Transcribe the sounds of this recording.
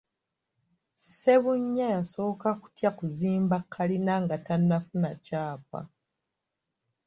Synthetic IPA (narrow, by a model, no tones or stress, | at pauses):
se̞βuɲːajaso̞ːkaku̥tjakuziːmbakʰːalinaŋɡatanːafunacaːpa̰